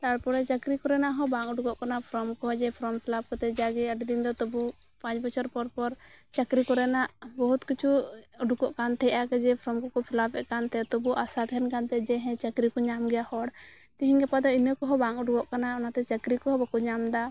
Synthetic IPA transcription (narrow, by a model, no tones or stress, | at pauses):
t̪aɽpɔɾɛt͡ʃəkɾikɔɾɛnaʔɦɔbaŋuɖukɔʔkanapʰɾɔmkɔɦɔd͡ʒɛpʰɾɔmpʰilap̚kɔt̪ɛd͡ʒaɡɛəʈd̪ind̪ɔt̪ɔbu | pãt͡ʃbɔt͡ʃʰɔɾpɔɾpɔɾt͡ʃəkɾikɔɾɛnaʔbɔɦut̪kit͡ʃʰuuɖukɔʔkant̪ʰɛjʔakɛd͡ʒɛpʰɾɔmkɔkɔpʰilapɛʔkant̪ɛt̪ɔbuʔasat̪ɦɛnkant̪ɛd͡ʒɛɦɛ̃t͡ʃəkɾikɔɲamɡɛjahɔɽ | t̪iɦiɲɡɛpad̪ɔinəkɔɦɔbaŋuɖuɡɔʔkanaɔnat̪ɛt͡ʃəkɾikɔɦɔbɔkuɲamd̪a